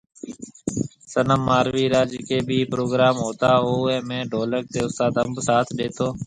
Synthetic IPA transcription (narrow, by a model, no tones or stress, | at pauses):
sənəmːaːɾʋiːɾaːd͡ʒɪkeːbʱiːpɾoːɡɾaːmɦoːt̪aːɦoːɛ̃ːmẽːɖʱoːlək̚t̪eːʊst̪aːd̪əmbsaːt̪ʰɗeːt̪oː